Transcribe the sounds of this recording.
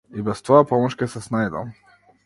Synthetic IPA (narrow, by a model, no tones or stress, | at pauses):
ibɛst̪ɔapɔmɔʃkʲɛsɛsnajd̪a̰m